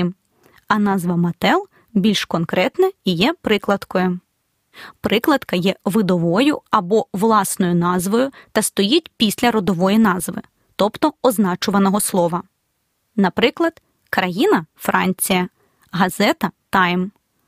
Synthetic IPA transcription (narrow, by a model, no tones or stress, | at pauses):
m | ɐnɑzʋɐmɐt̪ɛlˠ | bʲilʲʃkɔnkɾɛt̪nɛijɛpɾɪklˠɐd̪kɔjʊ | pɾɪklˠɐd̪kɐjɛʋɪd̪ɔʋɔjʊɐbɔʋlˠɑsnɔjʊnɑzʋɔjʊt̪ɐst̪ɔjitʲpʲisʲlʲɐɾɔd̪ɔʋɔjinɑzʋɪ̰ | t̪ɔpt̪ɔɔznɑt͡ʃʊʋɐnɔɦɔslˠɔʋɐ | nɐpɾɪklˠɐd̪̥ | kɾɐjinɐfɾɑ̰nʲt͡sʲijɐ | ɦɐzɛt̪ɐt̪ɑjm